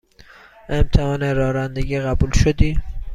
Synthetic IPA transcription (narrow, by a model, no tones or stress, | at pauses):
emt̪ʰehɒːneɾɒːɾænd̪eɟiːɣæbuːlʃod̪iː